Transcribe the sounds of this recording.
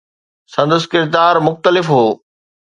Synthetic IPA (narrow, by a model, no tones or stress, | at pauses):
sɐ̃nd̪ʊskɪɾd̪aːɾmʊxt̪əlɪfɦoː